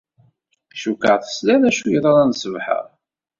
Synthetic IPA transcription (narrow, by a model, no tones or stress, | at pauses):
ʃukəʁθə̥slænæʃujəɾˤaɾˤɑnsəvħə̰ʁ